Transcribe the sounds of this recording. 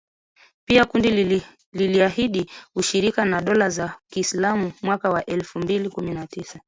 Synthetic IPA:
piakundi | liliahiɗiuʃiɾikanaɗɔlazakiːslamumwakawaʔɛlfumbilikuminatisa

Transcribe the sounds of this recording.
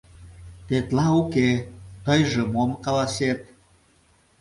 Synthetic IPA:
t̪et̪lɑuket̪əjʒəmomkɑlɑset̪̚

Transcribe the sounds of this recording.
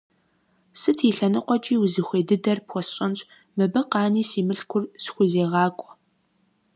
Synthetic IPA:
sɨtʰiɬɐnɨqʷɔt͡ʃʼiːwzɨxʷeːdɨdɐrpxʷɔsɕʼɐnɕʼ | mɨbɐqɑːniːsiːmɨɬkʷʰʊrsxʷʊzeːʁɑːkʷʼɔ̥

